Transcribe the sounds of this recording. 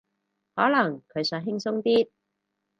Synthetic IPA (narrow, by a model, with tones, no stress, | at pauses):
hɔː˨˥lɐ˨˩ŋkʰɵ˨˧ɥsœː˨˥ŋɦɪ˥ŋsʊ˥ŋt̪iː˥t̪̚